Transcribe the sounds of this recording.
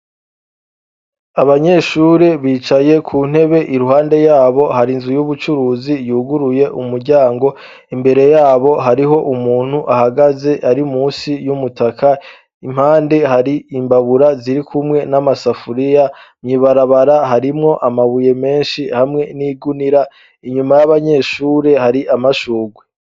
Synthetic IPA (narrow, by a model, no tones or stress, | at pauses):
aβaɲe̞ʃuɾeβiːt͡ʃaje̞kʰuːn̥he̞βe̞ʔiɾuɦaːnde̞jaːβo̞haɾinzujuβut͡ʃuɾuːzijuːɡuɾuje̞ʔumuɾɟaːŋɡo̞ | imbe̞ɾe̞jaːβo̞ɦaɾiɦo̞ʔumuːn̥huʔahaɡaze̞ʔaɾimuːsijumutakʰa | im̥haːnde̞haɾiimbaβuɾaziɾikʰumŋe̞namasafuɾijamɲiβaɾaβaɾaɦaɾimŋo̞ʔamaβuje̞me̞ːnʃihamŋe̞niːɡuniɾa | iɲumajaβaɲe̞ʃuːɾe̞haɾiʔamaʃuːɡwe